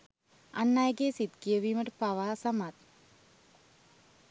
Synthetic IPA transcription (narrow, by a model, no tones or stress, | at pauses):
a̰nːajəɡeːsit̪kijəʋiːməʈəpaʋaːsɐmat̪